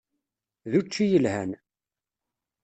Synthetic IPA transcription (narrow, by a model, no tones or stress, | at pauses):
ðut͡ʃːijəlhæn